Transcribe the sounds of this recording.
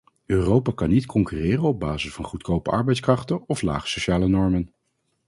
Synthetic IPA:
øːrowpaːkɑnitkʰɔŋkyrɪːrənɔb̚baːzəsfɑnχutkowpəʔɑ̰ɹbɛjtskrɑχtəɔfla̰ːχə̥sowʃaːlənɔɹmən

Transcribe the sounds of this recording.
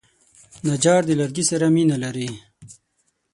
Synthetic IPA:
nad͡ʒɑːʈd̪əlɐɾɡisɐɾaminalaɾi

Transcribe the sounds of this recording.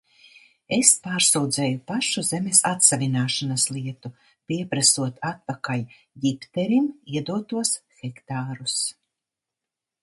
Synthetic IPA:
espaːɾsuwd̪zɛjupaʃuzemesat̪savʲinaːʃanaslˠiɛt̪u | pʲiɛpɾasuɔt̪at̪̚pakal | jipt̪ɛɾimiɛd̪uɔt̪uɔsxɛkt̪aːɾus

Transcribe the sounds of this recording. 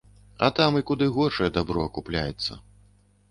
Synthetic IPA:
ɐ̰t̪amikud̪ɨɣɔrʂɐjɛd̪abɾɔɐkuplʲa̰jɛt̪sːɐ̰

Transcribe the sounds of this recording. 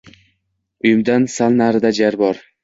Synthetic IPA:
ʊjɪmd̪ansalnaɾɪd̪ad͡ʒaɾbɒɾ

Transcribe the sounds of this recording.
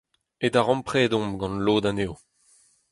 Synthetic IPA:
ed̪aʁɑ̃mpχɛːd̪ɔ̃mɡɑ̃nloːd̪aneːw

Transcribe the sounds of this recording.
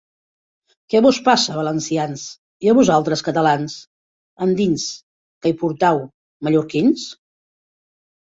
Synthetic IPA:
kɛβɔspasəːβələnsians | iəβuzalˠt̪ɾəskət̪əlans | ənd̪ins | kəipuɾt̪aw | məʎuɾkins

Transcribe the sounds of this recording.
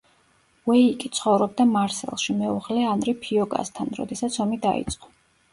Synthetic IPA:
wɛikʼit̪sʰχɔvɾɔb̚d̪amaɾsɛ̰lˠʃimɛuʁlɛanɾɛpʰiɔɡa̰st̪ʰanɾɔ̰d̪ɛsat̪sʰɔmid̪aḭt̪sʼqʼɔ̥

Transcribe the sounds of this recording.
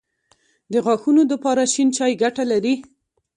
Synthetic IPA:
d̪əɣɑxunod̪əpɑɾaʃint͡ʃɑjɡaʈalaɾi

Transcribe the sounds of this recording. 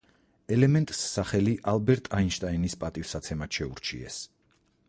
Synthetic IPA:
ɛlɛmɛnt̪ʼsːaχɛliʔalbɛɾt̪ʼainʃt̪ʼainispʼat̪ʼivsat̪sʰɛmaʃɛṵɾt͡ʃʰḭɛ̰s

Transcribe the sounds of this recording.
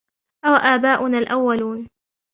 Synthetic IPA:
ʔawaʔaːbaːʔʊnaːlʔawːaluːn

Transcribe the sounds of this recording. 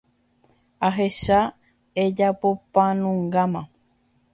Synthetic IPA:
aɦe̞ʃa | ed͡ʒapo̞pãnũŋɡamã

